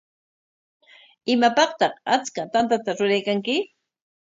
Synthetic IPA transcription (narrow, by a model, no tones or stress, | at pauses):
ɪmapɑqt̪ɑχat͡skat̪ant̪̬at̪aɾʊɾajkaŋkɪ